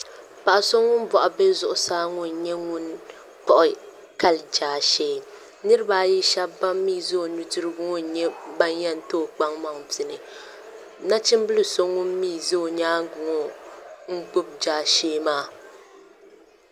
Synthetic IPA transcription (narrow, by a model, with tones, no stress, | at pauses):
pa˨ʔso˦ŋʊ˦n˦bɔ˨ʔʊ˨bɛ˦zʊ˨ʔʊ˨˦saː˦ŋʊ˦n˨ɲɛ˦ŋʊ˦n | pɔ˨ʔʊ˨ | ka˦ld͡ʒaː˨ʃeː˦ | nɨ˦ɾɨ˦baː˦ji˦ʃa˦bba˦mːiː˦zo˦˨nu˨tɨ˦ɾɨ˦bʊ˦ŋɔ˦n˨ɲɛ˦ba˦njɛ˦n˨toː˦˨k͡pa˦ŋma˨ŋvɪ˨nɨ˨ | na˦t͡ʃɪ˦m˦bɨ˦lɨ˨so˦ŋʊ˦mmiː˦˨zo˦˨ɲaː˦ŋ˦ɡʊ˨ŋɔ˦ŋ̩˦ɡ͡bʊ˦b̚d͡ʒaː˦ʃeː˦maː˦˨